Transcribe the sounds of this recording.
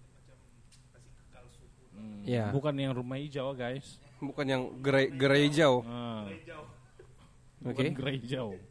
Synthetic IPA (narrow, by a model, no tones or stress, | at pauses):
jabukanjaŋrumaid͡ʒawɡajsbukanjaŋɡəɾaɡəɾaid͡ʒawə | okeɡəɾaid͡ʒaw